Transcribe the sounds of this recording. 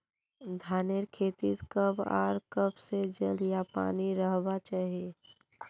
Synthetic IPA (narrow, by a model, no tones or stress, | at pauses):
d̪ʱaːneɾkʰeːt̪it̪kəba̰ːɾkəbsed͡ʒəljapa̰ːniɾəɦbat͡ʃaːɦe